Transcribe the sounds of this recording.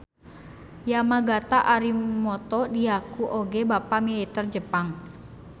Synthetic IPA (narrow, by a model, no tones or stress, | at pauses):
jamaɡat̪aʔaɾimɔt̪ɔdiakuʔoɡebapamilit̪ərd͡ʒəpaŋ